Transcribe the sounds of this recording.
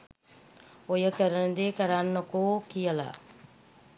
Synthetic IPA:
ojəkəɾənəd̪eːkəɾanːəkoːkijəla̰

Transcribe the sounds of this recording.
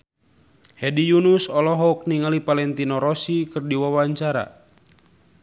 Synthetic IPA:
hɛdijunusɔlɔɦɔk̚niŋalipalɛnt̪inɔɾɔsikɨrdiwawaɲt͡ʃaɾa̰

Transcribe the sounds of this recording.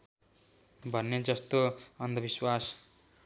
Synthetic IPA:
bʱʌnːed͡zʌst̪oʌnd̪ʱʌbiswas

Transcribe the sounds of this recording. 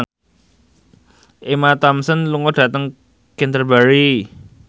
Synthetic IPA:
ʔemat̪ɔmsənluŋɔd̥a̤t̪əŋ | kɛnt̪ərbaɾi

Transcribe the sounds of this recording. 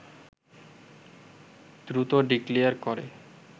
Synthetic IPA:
d̪ɾut̪oɖiklijaɾkoɾḛ

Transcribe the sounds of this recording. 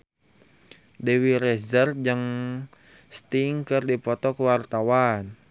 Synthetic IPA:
dewiɾɛzərd͡ʒəŋ | st̪iŋkɨrdipɔt̪ɔkəwart̪awan

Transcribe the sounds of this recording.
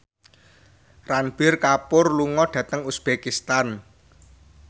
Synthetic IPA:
ranb̥ɪrkapʊrluŋɔɖ̥ä̤t̪əŋusb̥ekist̪an

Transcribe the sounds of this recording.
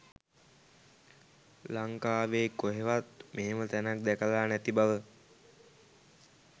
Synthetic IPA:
laŋkaːʋeːkoɦeʋat̪meɦemət̪ænak̚d̪ækəlaːnæt̪ibaʋə

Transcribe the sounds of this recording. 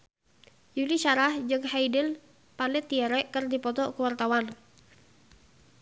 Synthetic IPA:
juliʃaɾahd͡ʒɨŋɦajdəl | panɛt̪iɛɾɛʔkərdipɔt̪ɔkuwart̪awan

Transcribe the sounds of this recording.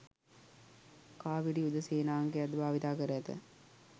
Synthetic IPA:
kaːʋiɖiud̪əseːnaːŋɡead̪bʱaːʋit̪aːkəɾəɐt̪ə̰

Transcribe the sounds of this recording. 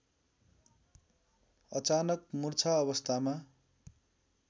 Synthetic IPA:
ʌt͡sanʌkmurt͡sʰaʌβʌst̪ʰama

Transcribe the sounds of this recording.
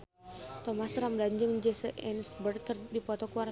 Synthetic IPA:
t̪ɔmasɾamdaɲd͡ʒɨŋd͡ʒɛsəʔɛnsbərt̪ərdipɔt̪ɔkuar

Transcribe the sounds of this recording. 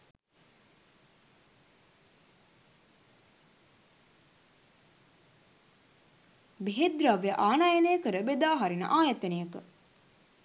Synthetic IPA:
beɦed̪ɾaʋeʔaːnaːjɐnejəkəɾəbed̪aːɦaɾinə̰ʔaːjɐt̪ənijəkə̰

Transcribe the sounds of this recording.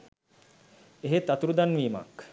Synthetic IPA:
eɦet̪at̪uɾud̪anʋiːma̰k

